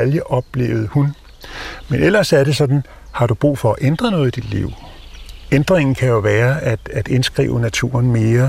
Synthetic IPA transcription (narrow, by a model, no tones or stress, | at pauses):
æljəʔɒ̽b̥le̝ːʊð̞̩ˠhun | menel̰ɐsæɐɾe̝sɒ̽d̥n̩ | hɑ̈d̥ub̥ʁṵːfɒ̽æʔend̥ʁɐnɔ̽ːð̩ˠid̥id̥lḭʊ̰ | end̥ʁeŋn̩kʰæjo̝ʋæːɐæd̥æd̥e̝nsɡ̥ʁḭːʊənæt͡sʰṵːɐnme̝ːɐ